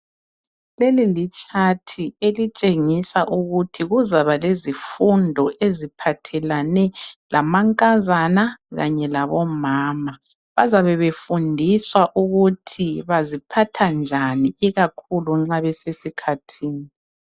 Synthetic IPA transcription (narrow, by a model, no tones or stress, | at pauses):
lelilit͡ʃʼatʰielit͡ʃʼeŋisaʔuɣutʰiɣuzaβalezifundʱɔʔezipʰatʰɛlanɛlamaŋkʼazanaɣa̰ɲɛlaβɔmaːma | βazaβɛβefundʱiswaʔuɣutʰiβazipʰatʰand͡ʒʱaniiɣakʰuluŋ͡ǁaβɛsesikʰatʰiːni